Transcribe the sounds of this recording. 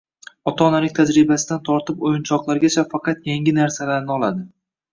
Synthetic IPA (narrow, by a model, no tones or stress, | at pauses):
ɒt̪ʰaːnalɪk̚ʲt̪ʰad͡ʒɾɪbasɪd̪ant̪ʰɒɾt̪ɪpojʊnt͡ʃʰɒqlˠaɾɡʲat͡ʃʰafɑqʰɑt̪jaŋʲɪnaɾsalaɾnɪɒlad̪ɪ